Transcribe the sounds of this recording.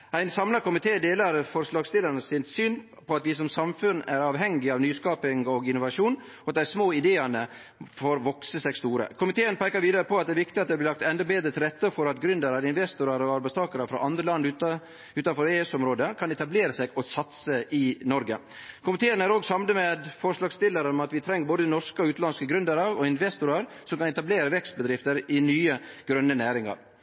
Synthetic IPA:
æɪnsɑmlɑɾkʊmɪt̪ʰeːd̪eːlɑɾfɔɾʂlɑːɡst̪ɪləɾnəsɪnsyːn | pʰɔɑt̪ʋɪsɔmsɑmfʉnæɾɑːʋɦɛŋːɪɑʋnyːskɑːpɪŋɔɡɪnʊʋɑʂuːn | ɔɑt̪d̪æsmoːɪd̪eːɑnə | foɾʋɔksəsɛɡst̪uːɾə̰kʰʊmɪt̪ʰeːənpʰæɪkɑɾʋiːd̪əɾəpʰɔɑt̪d̪ɛæɾʋɪk̚t̪ɪɑt̪̚d̪ɛblɪlɑk̚t̪ɛnd̪ɔbeːd̪ɾət̪ʰɪlɾɛt̪ːəfɔɾɑt̪ɡɾʏnd̪əɾɑɾɪnʋɛst̪ʊɾɑɾɔɑɾbæɪst̪ʰɑːkəɾɑfɾɑ̰ʔɑnd̪ɾəlɑnd̪ʉ | ʉːt̪ɑnfɔɾeːʉsɔmɾoːd̪əkʰɑnɛt̪ɑbleːɾəseːɡɔsɑt̪səʔɪnɔɾɡə̰ | kʰʊmɪt̪ʰeːənæːɾoːɡsɑmnəmed̪fɔɾʂlɑːɡst̪ɪlːəɾənɔmɑt̪ʋɪt̪ʰɾɛŋːəboːd̪əd̪ɪnɔʂkəɔʉːt̪lɑnskəɡɾʉnd̪əɾəɾɔɪnʋɛst̪ʊɾɑɾ | sɔmkɑnɛt̪ɑbleːɾəʋɛkst̪̚bəd̪ɾɪft̪əɾɪnyːəɡ̥ɾœnːənæːɾɪŋɑ̰ɾ

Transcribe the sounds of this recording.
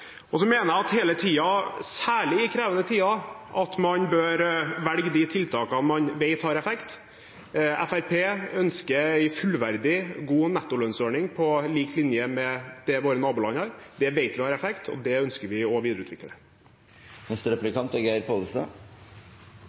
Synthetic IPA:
ɔsɔmeːnəæɑt̪heːlət̪ʰiːɑsæːɭɪɪkʰɾeːʋənət̪ʰiːɑʔɑt̪mɑnbøːɾʋælɡəd̪it̪ʰɪlt̪ʰɑːkɑnmɑnʋɛɪt̪hɑːɾɛfɛkt̪ | æfæɾpʰeːœnskəɾɛɪfʉlʋæɾd̪ɪɡuːnɛt̪ːʊlœnsøːɳɪŋpʰɔliːklɪnjəmɛd̪̥ɛʋoːɾənɑːbuːlɑɲɑɾd̪ɛʋeɪt̪ʋɪhɑːɾɛfɛkt̪ʰɔ̰d̪ɛœnskəɾʋɪɔʋiːd̪ɾʉːt̪ʋɪ̰kːəɛ̰ | mɛst̪əɾɛplɪkɑnt̪æɡæɪɾpʰoləst̪ɑ̰

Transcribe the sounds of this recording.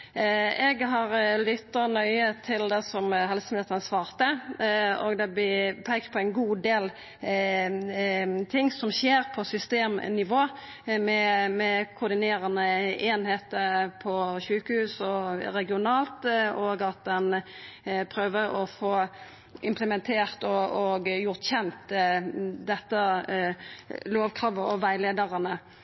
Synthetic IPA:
ɛɡɦɑɾlʏt̪ːənœʏət̪ʰɪld̪ɛsɔmɦɛlsəmɛt̪nəsʋɑːʁt̪ə | o̰ɡd̪ɛb̪ɪpʰæɪkəpʰɔɛɪnɡuːd̪eːl | t̪ʰɪŋːsɔmʃeːɾpʰɔsʏst̪eːmnɪʋoː | mɛmɛkʰʊɾd̪ɪneːɾənəeːnheːt̪əpʰɔʃʉːkəhʉːsɔɾɛɡɪʊnɑːlt̪oːɡɑt̪̚d̪ɛn | pʰɾøːʋəɾɔfoː | ʔɪmpʰləmɛnt̪ʰeːʁt̪ɔɔɡjʊʁt̪çɛnt̪ | d̪ɛt̪ːə | loːʋkʰɾɑːʋəɔʋæɪleːd̪əʁənə

